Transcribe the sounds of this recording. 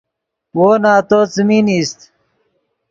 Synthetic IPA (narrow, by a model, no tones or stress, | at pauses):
woːnaːt̪oːt͡simiːniːst̪